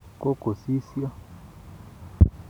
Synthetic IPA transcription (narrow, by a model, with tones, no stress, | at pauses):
kʼo˦ko˨si˦sja˦